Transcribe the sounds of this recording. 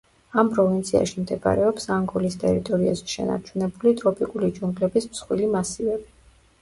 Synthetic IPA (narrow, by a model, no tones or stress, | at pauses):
ampʼɾɔvint̪sʰia̰ʃimd̪ɛba̰ɾɛɔpsaŋɡɔlist̪ʼɛɾit̪ʼɔɾiazɛʃɛ̰na̰ɾt͡ʃʰunɛbulit̪ʼɾɔpʼikʼulid͡ʒuŋɡlɛbismsχwilimasivɛbi